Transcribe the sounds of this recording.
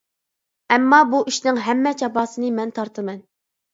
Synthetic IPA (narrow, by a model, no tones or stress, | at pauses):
ɛmːɑbuʔiʃnɪŋɦɛmːɛt͡ʃʰɑpɑːsɨnɨmɛnt̪ʰɑɾt̪ʰɨmɛn